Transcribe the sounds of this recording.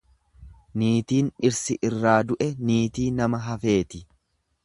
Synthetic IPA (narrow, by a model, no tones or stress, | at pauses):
niːt̪iːnɪɾsɪʔɪrːaːd̪ʊʔɛniːt̪iːnɐmɐɦɐfe̞ːt̪ɪ